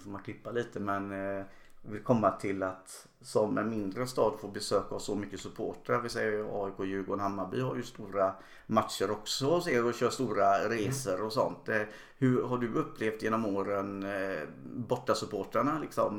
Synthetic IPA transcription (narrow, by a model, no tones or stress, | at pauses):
foːmankʰlɪpːaliːt̪əmɛn | vɪlkʰɔmːat̪ʰɪlat̪ | sɔmɛ̰nmɪnd̪ɾəst̪ɑːd̪foːɾbɛsøːkasɔmʏkːəsɵpʰo̰ːʈaɾvɪsɛjːəɑ̰ːɪkʰoːjʉ̟ːɡoːnhamːabʏːhaɾjɵst̪uːɾa | mat̪ʂəɾɔksɔseːɾɔɕøːst̪uːɾaɾeːsəɾɔsɔ̰nt̪̚d̪ɛ | hɵɾɦaɖɵɵpːleːft̪jeːnɔmoːɾən | bɔʈːasɵpʰoːʈaɳalɪksɔ̰m